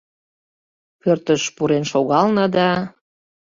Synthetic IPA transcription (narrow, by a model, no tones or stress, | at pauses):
pørt̪əʃpuɾenʃoɣɑlnɑd̪ɑ